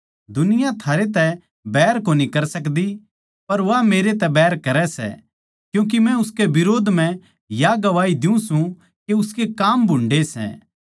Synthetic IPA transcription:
d̪ʊnɪjãt̪ʰaːɾet̪̬ɛ | bɛːɾkoːnikɐɾsɐkd̪i | pɐɾʋameːɾet̪ɛbɛːɾkɐɾɛsɛ̰ | kjũːk̬imɛ̃ʊskebɪɾoːd̪ʱm̤ɛ̃ | jaɡɐʋaːid̪ɪũsũ | keʊskekaːmbʱʊ̃ɳɖesɛ̰ː

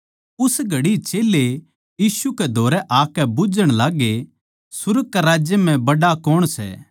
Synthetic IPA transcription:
ʊsɡʱɐɽit͡ʃeːle | jiːʃukɛd̪ʱoːɾɛʔaːkɛbʊd͡ʒəɽ̃laːɡe | sʊɾəɡ̚kːaɾaːd͡ʒjəm̤ɛ̃bɐɖakɔːɽ̃sɛ̰ː

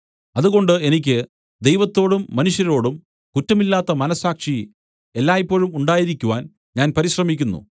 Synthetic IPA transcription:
ɐðuɣo̞ɳɖɨe̞nik̬ʲːɨ | d̪ejʋɐt̪ːo̞ːɽumːɐnuʂjɐɾo̞ːɽum | kutːɐmilːaːt̪ːɐmɐnɐsːaːkʂi | e̞lːaːjipːo̞ːɭumuɳɖaːjiɾikʲːuʋaːn | ɲaːnpɐɾiɕrɐmikʲːunːṵ

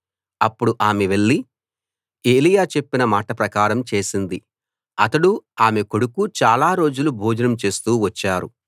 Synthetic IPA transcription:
ɐpːuɽuʔaːmeʋe̞ɭːi | e̞ːlijaːt͡ʃe̞pːinɐmaːʈɐpɾɐkaːɾɐmt͡ʃe̞ːsind̪i | ɐt̪ɐɽuaːmeko̞ɽukut͡ʃaːlaːɾo̞ːd͡ʒulubʱuːd͡ʒɐnɐmt͡ʃe̞ːst̪uːʋɐt͡ʃːaːɾṵ

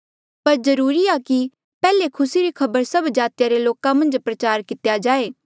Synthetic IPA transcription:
pɐɾzɐɾuːɾiaki | pɛːlekʰʊsiɾikʰɐbəɾsɐbd͡ʒaːt̪jaɾeloːkãmɐ̃nd͡ʒpɾɐt͡ʃaːɾkɪt̪jad͡ʒaːeː

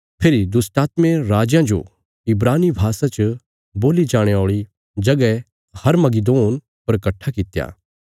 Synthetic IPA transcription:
pʰeːɾid̪ʊsʈaːt̪mẽɾaːd͡ʒjãd͡ʒo̰ | ɪbɾaːnibʱaːsãt͡ʃ | boːlid͡ʒaːɽ̃eoːɭi | d͡ʒɐɡɛ | hɐɾmɐɡid̪oːn | pɐɾkɐʈʰːakɪt̪ja̰ː

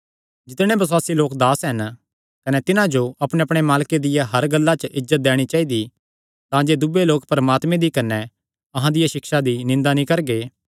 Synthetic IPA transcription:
d͡ʒɪt̪ɽ̃ẽbɐswaːsiloːkd̪aːsɦɐn | kɐnɛt̪ɪnãd͡ʒoʔɐpɽ̃eɐpɽ̃emaːlked̪ɪjaɦɐɾɡɐlːat͡ʃəʔɪd͡ʒːət̪̚d̪ɛːɽ̃it͡ʃaːid̪i | t̪ãd͡ʒeːd̪ʊbeloːkpɾɐmaːt̪mẽd̪ikɐnːɛ | ɐɦãd̪ɪjaʃɪkʃad̪inɪ̃nd̪anĩkɐɾɡeː

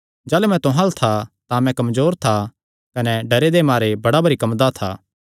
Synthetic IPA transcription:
d͡ʒaːlemɛ̃t̪ʊɦãlt̪ʰat̪amɛ̃kɐmzoːɾt̪ʰa | kɐnɛɖɐɾed̪emaːɾebɐɽabɐɾikɐmd̪at̪ʰa̰ː

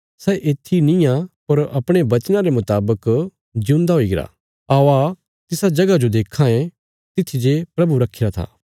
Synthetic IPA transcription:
sɛːʔeːt̪ʰːinɪ̃jãpɐɾɐpɽ̃ebɐt͡ʃnãɾemʊt̪aːbək | d͡ʒũːnd̪aɦoːiɡɪɾa̰ | aːoa | t̪ɪsad͡ʒɐɡad͡ʒod̪eːkʰːãẽ | t̪ɪt̪ʰid͡ʒepɾɐbuɾɐkʰːɪɾat̪ʰa̰ː

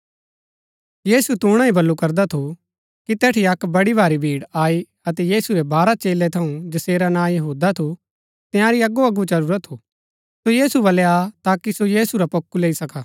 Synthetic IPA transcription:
jiːsut̪uːɽ̃ãibɐlːukɐɾd̪at̪ʰo | kit̪ɛːʈʰiɐkbɐɽibʱaːɾibʱiːɽaːi | ɐt̪ɛjiːsuɾebʱaːɾat͡ʃeːlɛt̪ʰɐũd͡ʒɐseːɾanãːjɐɦuːd̪at̪ʰu | t̪ɪ̃jãɾiɐɡoɐɡut͡ʃɐɾuːɾət̪ʰːu | sojiːsubɐleat̪aːkisojiːsuɾapɐkːuleːisɐkaː

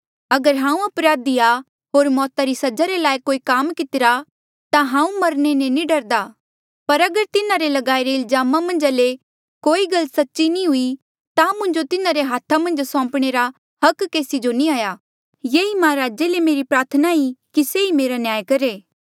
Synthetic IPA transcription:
ɐɡəɾɦãːũɐpɾaːd̪ia | ɦoːɾmɔːt̪aɾisɐd͡ʒaɾelaːikoːikaːmkɪt̪ɪɾa | t̪ãɦãːũmɐɾñenẽniɖɐɾd̪aː | pɐɾɐɡəɾt̪ɪnaɾelɐɡaːiɾeɪlzaːmamɐ̃nd͡ʒale | koːiɡɐlsɐtːʃinĩɦʊi | t̪amʊ̃nd͡ʒot̪ɪnaɾeɦaːt̪ʰamɐ̃nd͡ʒsɔ̃ːmpɽ̃eɾa | hɐkːeːsid͡ʒonĩaːja | jeːimãːɾaːd͡ʒelemeːɾipɾaːɾt̪ʰənaikiseimeːɾanjaːjkɐɾeː

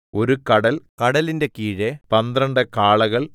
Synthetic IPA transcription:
o̞ɾukɐɽɐlkɐɽɐlinde̞kiːɻepɐnd̪rɐɳɖɨkaːɭɐɣɐɭ

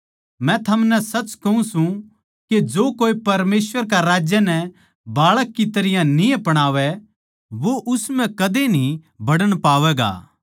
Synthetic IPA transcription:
mɛ̃t̪ʰɐmnɛsɐt͡ʃkɐɦũsũ | ked͡ʒoːkoːipɐɾmeːsʋəɾk̬aɾaːd͡ʒjənɛ | baːɭəkːit̪ɐɾɪjãnĩɐpɐɽ̃aːʋɛ | ʋoʔʊsmɛ̃kɐd̪enĩ | bʱɐɽəɽ̃paːʋɛɡa̰ː

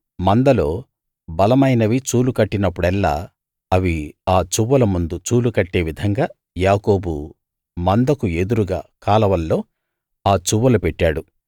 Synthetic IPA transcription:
mɐnd̪ɐlo̞ː | bɐlɐmɐjnɐʋit͡ʃuːlukɐʈːinɐpːuɽɛlːa̰ː | ɐʋiaːt͡ʃuʋːɐlɐmund̪ut͡ʃuːlukɐʈːe̞ːʋid̪ʱɐŋɡaː | jaːko̞ːbṵ | mɐnd̪ɐkued̪uɾuɡa̰ːkaːlɐʋɐlːo̞ː | aːt͡ʃuʋːɐlɐpɛʈːaːɽu

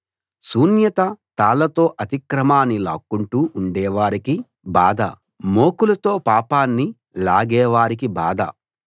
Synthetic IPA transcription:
suːnjɐt̪ɐt̪aːlɐt̪o̞ːʔɐt̪ikɾɐmaːnːilaːkːuɳʈuːɳɖɛːʋaːɾiki | baːd̪ɐ̰ | moːkulɐt̪o̞ːpaːpaːnːi | laːɡɛːʋaːɾikiba̰ːd̪ɐ̰

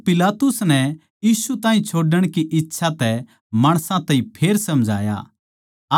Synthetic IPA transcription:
pɪlaːt̪ʊsnɛ | jiːsut̪ãːĩt͡ʃʰoːɖəɽ̃kiʔɪtːʃʰat̪ɛ | maːɽ̃sãt̪ɐ̃ĩpʰeːɾsɐmd͡ʒʱa̰ːja̰

